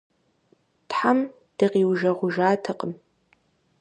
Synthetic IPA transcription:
tħam | d̥ɨqiːwʒɐʁʷʊʒaːtʰɐqʼəm

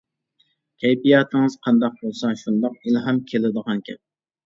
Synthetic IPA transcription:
kʲʰɛjbijɑt̪ʰɪŋɨz̥qʰɑnd̪ɑq̚bolˠsɑʃund̪ɑqilɦɛmkʲʰelɪd̪əʁɑnkʲʰɛp̚

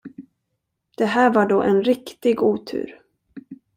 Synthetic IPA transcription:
d̪̥ɛɦæːɾvaɖoːʔɛnɾɪkt̪ɪɡuːt̪ʰʉ̟̰ːɾ

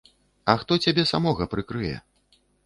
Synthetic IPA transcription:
ɐxt̪ɔt͡sʲabʲɛsamɔɣɐpɾɨkɾɨjɛ̰

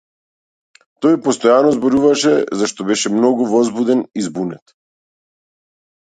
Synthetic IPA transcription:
t̪ɔjpɔst̪ɔjanɔzbɔɾuvaʃɛzaʃt̪ɔbɛʃɛmnɔɡuvɔzbud̪ɛnizbunɛt̪

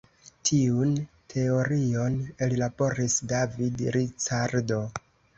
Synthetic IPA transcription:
tʰiun | tʰe̞o̞ɾio̞nellabo̞ɾisdavidɾit͡ʃaɾdo̞

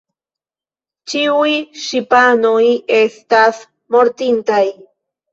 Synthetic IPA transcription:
t͡ʃiujʃipanojest̪as | moɾt̪int̪aj

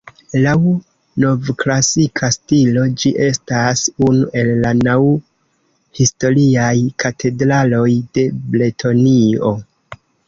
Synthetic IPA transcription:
law | no̞vklasikʰastilo̞d͡ʒiʔe̞stasunuʔe̞lːanaw | histo̞ɾiajkʰatʰe̞dɾalo̞jde̞ble̞tʰo̞nio̞

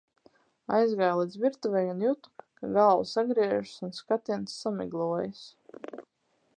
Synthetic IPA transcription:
a̰jzɡajlˠid̪zviɾt̪uvʲɛjunjut̪u̥kaɡaːlˠusaɡɾiɛʒsunskat̪int̪sːamḭɡlˠuɔjs

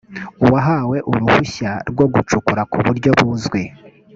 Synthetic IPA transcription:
uwaɦawe̞ʔuɾuhuçaɾɡwo̞ɡut͡ʃukuɾakuβuɾɟo̞βuzɡwe

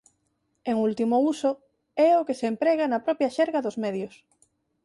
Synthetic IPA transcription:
eŋult̪imouso | ɛokesempɾɛɣanɐpɾɔpjɐʃɛɾɣaðozmɛðjos

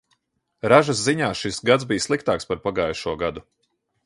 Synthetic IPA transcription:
ɾaʒas̬ziɲaːʃisɡat̪zbijslˠik̚t̪aːkspaɾpaɡaːjʃuɔɡad̪u

